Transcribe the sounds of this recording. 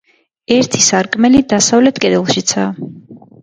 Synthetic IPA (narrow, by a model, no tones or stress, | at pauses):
ɛɾt̪ʰisaɾkʼmɛlid̪asavlɛt̪ʰkʼɛd̪ɛlˠʃit̪sʰaː